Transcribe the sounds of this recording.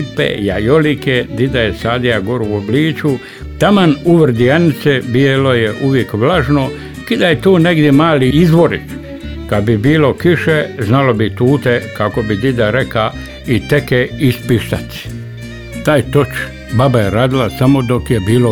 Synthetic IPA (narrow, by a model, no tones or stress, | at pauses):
pḛjajoliked̪id̪ajesaːd̪ijaɡoɾuobliːt͡ʃu | t̪amanuʋr̩d̪ianit̪sebijelojeʔuʋjekʋlaʒno | kid̪ajet̪oːneɡd̪jemaːliizʋo̞ɾḭt̪ | kad̪̚bibiːlo̞kiʃeznalo̞bit̪uːt̪ekako̞bid̪id̪aɾeka | it̪ekeispiʃt̪at̪i̥ | t̪aːjt̪ot͡ʃ | babajeɾaːd̪ilasamo̞d̪o̞kjebiːlo